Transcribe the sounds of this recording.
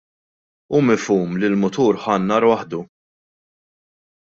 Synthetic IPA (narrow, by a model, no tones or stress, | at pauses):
uːmɪfuːmlɪlmʊt̪uːɾħɐːnːɐɾwɐħd̪u